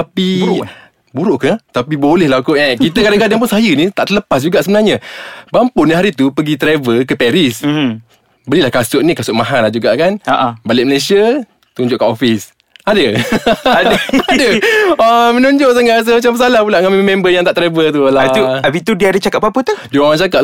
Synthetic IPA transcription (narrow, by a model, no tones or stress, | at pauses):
apiɾʔ | buɾʊʔkət̪apibolɛhlaukoʔɛkit̪əkadaŋkadaŋp̬ʊnsajənit̪a̰ʔt̪ələpas̬d͡ʒuɡaʔsəbənaɲabampʊniɦaɾit̪upəɡit̪ɾevəkəpɛɾis | bəlilahkasʊʔnikasʊʔ̚maɦanlad͡ʒuɡaʔkanaʔbalɪʔ̚məlesiə | t̪uɲd͡ʒʊʔkaʔofis | adəadadəəmənuɲd͡ʒoʔsaŋas̬əmat͡ʃambəs̬alahpulaʔŋamemɛmbəjãŋt̪aʔt̪ɾevət̪̬ulat̪uabit̪udiəadət͡ʃakat̪̚bamput̪udiəwaŋat͡ʃakaʔ